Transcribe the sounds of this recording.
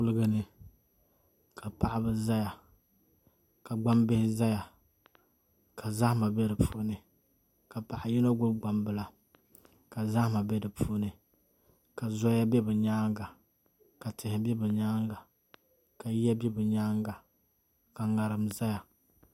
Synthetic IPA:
ʊ˦lɨ˦ɡɨ˦nɨ˨ | kʰa˨pa˨ʔa˨bɨ˦za˦ja˨ | ka˨ɡ͡ba˦mbɪ˦hɪ˦za˦ja˨ | ka˨za˦hma˨bɛ˦dɨ˨pʰu˦nɨ˨ | ka˨pa˨ʔa˨ji˦na˦ɡʊ˦bɡ͡ba˨mbɨ˦la˨ | ka˨za˦hma˨bɛ˦dɨ˨pʰu˦nɨ˨ | ka˨zɔ˦ja˦bɛ˦bɨ˨ɲaː˦ŋɡa˨ | ka˨tɪ˨hɪ˨bɛ˦bɨ˨ɲaː˦ŋɡa˨ | ka˨jɛ˦bɛ˦bɛ˨ɲaː˦ŋɡa˨ | ka˨ŋa˨ɾɨ˨mza˦ja˨

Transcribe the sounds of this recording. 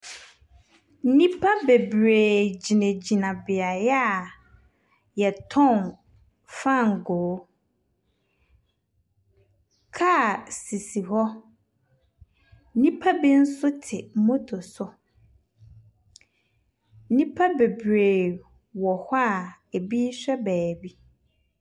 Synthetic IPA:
n̩˦nĩ˦pʰa˦be˨bɾeː˨d͡ʑi˨nẽ˨d͡ʑi˨nã˨bɪ˨a˨jɛ˦a˨ | jɛ˨tʰɔ̃˦˨m | fa˦˨ŋ̩˨ɡɔː˨˦ | kʰa˦˨si˨si˨ɦɔ˦ | nĩ˦pʰa˦bi˦n̩˦sʊ˦tʰɪ˨˦mo˦tʰʊ˨sʊ˦ | nĩ˦pʰa˦be˨bɾeː˨ | wɔ˨hɔ˦a˦˨ | e˨biː˦ɕᶣɛ˦bɛː˨bi˦

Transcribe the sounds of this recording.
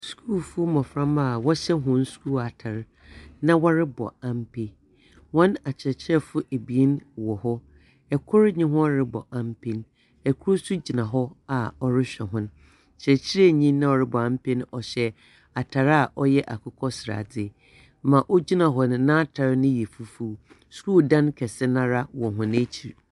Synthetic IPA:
skʰuː˦˨fu˦o˦mɔ̃˨fɾã˦ma˨wɔ˦ɕɛ˦ɦʊ̃˦n̩˦skʰu˦˨a˨tʰa˨ɾ | nã˦wɔ˦ɾɪ˦bɔ̰˨ã˨m˦pʰe˦ | wɔ̃˦na˨t͡ɕʰɛ˨t͡ɕʰɪ˦ɾɛ˦fʊ˦e˨bi˨e˦nwɔ˨hɔ˦ | ɛ˨kʰɔ˦ɾɲɪ̃˦ɦʊ̃˦ɾɪ˦bɔ̰˨ʔã˨m˦pʰe˦n | ɛ˨kʰʊ˦ɾo˦su˦d͡ʑi˨nã˨ɦɔ˦a˨ɔ˨ɾɪ˦ɕᶣɛ˨ɦʊ̃˦n | t͡ɕʰɾɛ˨t͡ɕʰɪ˦ɾɛ˦˨ɲĩ˦nː˦ã˦ɔ˨ɾɪ˦bɔ˨ã˦m̩˦pʰe˦nʊ̃˦ʔɔ˨ɕɛ˦ | a˨tʰa˨ɾa˨ʔɔ˦jɛ˦ʔa˨kʰʊ˨kʰɔ˦sɾa̰˨dɪ˦ | mã˨ʔɔ˦d͡ʑi˦nã˨ɦɔ˨nʊ̃˨nã˦tʰa˨ɾnʊ̃˦jɛ˨fu˨fu˦ | sɾu˦˨dã˦nkʰɛ˨sɛ˦nã˦ɾa˦wɔ̃˨ɦʊ̃˨nɪ̃˦t͡ɕʰi˨ɾ

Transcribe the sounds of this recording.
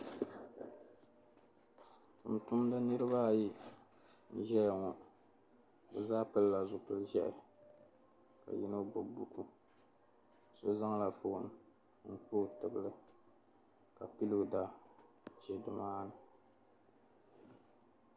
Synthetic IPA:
m˨tʊ˦m˦da˦nɨ˦ɾɨ˦ba˦˨ji˦ | n̩˦˨ʒɛ˦jŋɔ˨ | bɛ˨zaː˦pɨ˦lla˨zʊ˨pɨ˨lʒɛ˦ʔɪ˨ | ka̰˨jḭ˦no˦bo˨bu˦ku˦ | so˦za˦ŋ˦la˨fʊ˨ʔn˨ | n̩˦k͡po˦tɨ˨bɨ˦lɨ˦ | ka˨pi˦lɨ˨da˨ | ʒɛ˨dʊ˨maː˦nɨ˨

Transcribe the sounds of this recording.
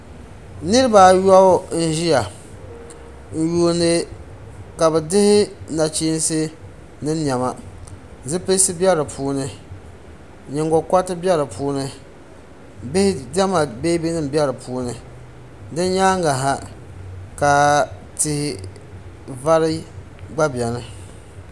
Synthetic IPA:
nɨ˦ɾɨ˦ba˨ja˦o˦n̩˦ʒi˦ja˨ | n̩˨ju˨nɨ˨˦ | ka˨bɛ˨dɪ˦hɪ˦na˨t͡ʃiː˦n˦sɨ˦ | nɨ˦n˦ɲ˨ɛ˨ma˨ | zɨ˦pe˦sɨ˦bɛ˦ɾɨ˨pʰuː˦nɨ˦ | ɲɛ˨ŋɡɔ˨kʷa˦tɨ˦bɛ˦ɾɨ˨pʰuː˦nɨ˦ | bhdɛ˦ma˨be˦bi˦nɨ˦m˨bɛ˦ɾɨ˨pʰuː˦nɨ˦ | dɨ˦n˦ɲaː˦ŋa˨ɦa˦ | ka˨tɪ˨hɪ˨ | va˦ɾɨ˦ | ɡ͡ba˦bjɛ˨nɨ˦

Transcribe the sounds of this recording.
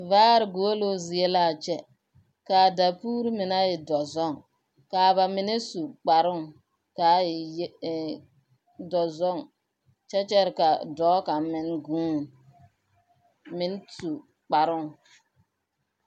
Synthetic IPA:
vaː˦ɾɪ˨ɡo˨o˦lo˦zi˨e˦laː˦˨t͡ʃɛ˦ | ka˨da˨puː˦ɾɪ˦mɪ˨na˦jɪ˨dɔ˨zɔ˦ŋ | ka˨βa˨mɪ˦ne˦su˨k͡pa˨ɾʊ˦ŋ | ka˨˦ɪ˨j | dɔ˨zɔ˦˨ŋ | t͡ʃɛ˦t͡ʃɛ˦ɾɪ˨ka˨dɔː˨˦ka˨mɪ˦nɡũː˦n | mɪ˦n˦su˨ | k͡pa˨ɾʊ˦˨ŋ

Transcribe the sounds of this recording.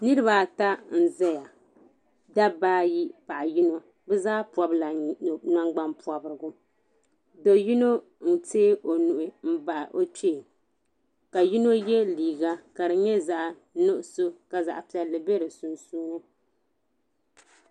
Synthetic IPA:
nɨ˦ɾɨ˦ba˨ta˦n̩˨zɛ˦ja˨ | da˦baː˦ji˦pa˨ʔa˨ji˦no˦ | bɛ˦zaː˦pɔ˨bla˨na˦ŋɡ͡ba˦npu˨a˨bɨ˨ɾɨ˨ɡʊ˦ | do˨ji˦no˦ | n̩˦teː˦ʔo˨nu˨ʔʊ˨m̩˦ba˨ʔʔo˦t͡ʃe˦˨ | ka˨ji˦no˦jɛ˦liː˨ɡa˦ka˨ɾɨ˨ɲɛ˦za˦ʔ | no˦ʔʊ˦so˦ka˨za̰˨ʔpi˨ɛ˨lːɨ˨be˦ɾɨ˨su˨nsuː˦nɨ˦

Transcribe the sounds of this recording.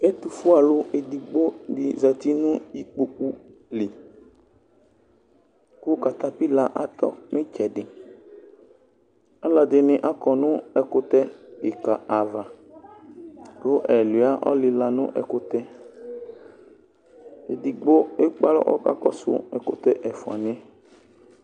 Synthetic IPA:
e˦t̪u˨fʊ˦a˨lʊ˦e˨di˨ɡ͡bo˦dɪ˨za˨t̪i˦nʊ̃˦i˦k͡po˨k͡pu˦li˨ | kʊ˦ka˨t̪a˦pi˦la˨ʔa˨t̪ɔ̰˦mɪ̃˦t͡ʃɛ˨ɖɪ˨ | a˦la˨d̪ɪ˨nɪ̃˨ʔa˦kɔ˨nʊ̃˦ɛ˨kʊ˦t̪ɛ˦ɪ˨ka˨ʔa˨va˨ | kʊ˦ʔɛ˨lʊ˨a˦ʔɔ̰˦lɪ˨la˨nʊ̰̃˦ʔɛ̰˨kʊ˦t̪ɛ˦ | e˨di˨ɡ͡bo˦e˦k͡pa˦lɔ̰˦ʔɔ̰˦ka̰˨kɔ˦sʊ̰˨˦ɛ̰˨kʊ˦t̪ɛ˦ʔɛ˨fʊ˨a̰˨nɪ̃˦ɛ˦

